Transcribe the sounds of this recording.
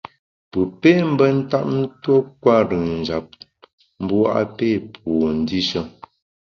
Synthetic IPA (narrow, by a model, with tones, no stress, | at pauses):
pə˨peː˦m̩˦bə˦n̩˦ta˦p̚n̩˦two˦kwa˦ɾɯ˨ŋn̩˨d͡ʒa˨p̚ | m̩˦bu˦wa˦˨ʔa̰˦pe˦˨pʰɔ˨n̩˨˦di˦ʃə˦˨